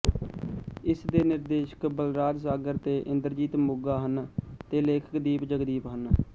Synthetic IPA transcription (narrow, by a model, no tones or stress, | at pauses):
ɪsd̪eːnɪɾd̪eːʃə̥kbəlɾaːd͡ʒsaːɡəɾt̪eːʔɪ̃nd̪əɾd͡ʒiːt̪mʊɡaːɦənt̪eːleːkʰə̥kd̪iːpd͡ʒəɡd̪iːpɦən